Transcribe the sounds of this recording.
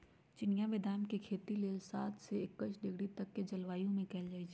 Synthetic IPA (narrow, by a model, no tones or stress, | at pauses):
t͡ʃɪnijaʋɪd̪ʱaːnkekʰeːt̪ileːlsaːt̪ʰseɪkːət͡ʃʰɖɪɡɽit̪ɐkːed͡ʒɐlʋaːjõmẽkɛːld͡ʒaːid͡ʒe